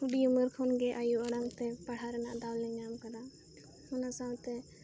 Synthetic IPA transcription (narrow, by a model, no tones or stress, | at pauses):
uɗijuməɾkʰɔnɡɛʔajuɔɽaŋt̪ɛpaɽ̤aɾɛnaʔd̪awlɛɲamkad̪a | hʊnasat̪ɛ